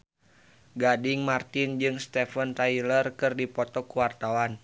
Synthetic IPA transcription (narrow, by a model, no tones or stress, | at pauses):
ɡadɪŋmart̪ind͡ʒɨŋst̪ɛfənt̪ailərkɨrdipɔt̪ɔkuwart̪awan